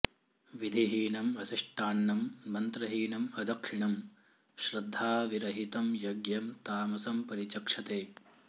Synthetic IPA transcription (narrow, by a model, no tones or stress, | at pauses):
ʋid̪ʱiɦiːnɐmɐsiʂʈʰaːɳːɐmːɐnt̪ɾɐɦiːnɐmɐd̪ʱɐkʂiɳɐm | ʃɾɐd̪ʱːaːʋiɾɐɦit̪ɐmjɐɡjɐmt̪aːmɐsɐmpɐɾit͡ʃɐkʂɐt̪eː